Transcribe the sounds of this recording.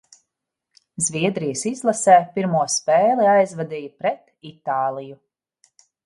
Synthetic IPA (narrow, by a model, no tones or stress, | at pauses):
zvʲiɛd̪ɾijəsizlˠasɛːpiɾmuɔspɛːlˠiajzvad̪iːjpɾɛt̪ | it̪aːlˠiju